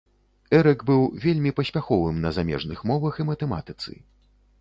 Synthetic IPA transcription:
ɛɾɛkbɨwvʲelʲmʲipɐsʲpʲaxɔvɨmnɐzamʲɛ̰ʐnɨxmɔvɐximɐt̪ɛma̰t̪ɨt̪sɨ̰

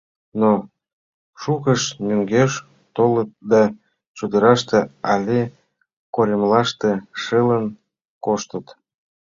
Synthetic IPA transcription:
no | ʃukəʃmyŋɡeʃ | t̪olət̪̚d̪ɑ | t͡ɕud̪əɾɑʃt̪eɑlʲe | koɾʲemlɑʃt̪eʃələn | koʃt̪ət̪

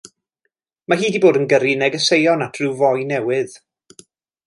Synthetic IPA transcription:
maɦiːdiboːdənɡəɾinɛɡəsejɔnatʰrɨwvɔjnɛwɨð̥

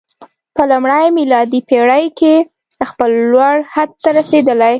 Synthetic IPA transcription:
pəlʊmɽəjmilɑd̪ipeɽəjke | əxpəlːwaɽhad̪̚t̪aɾased̪əlaj

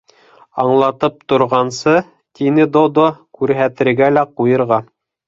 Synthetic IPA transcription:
ɑɴlˠɑt̪ɤp̚t̪ŏɾʁɑnsɤ | t̪inɘd̪od̪okʉɾɦæt̪ɘ̆ɾɡælæqujɤ̆ɾʁɑ

